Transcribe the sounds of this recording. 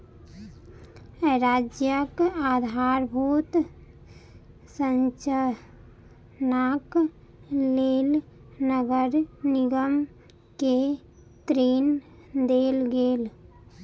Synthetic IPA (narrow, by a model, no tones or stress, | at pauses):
ɾad͡ʒjəkad̪ʱaɾbʱut̪ | sənt͡ʃ | nak | leːl | nəɡəɾniɡəm | ke | t̪ɾen | d̪elɡeːl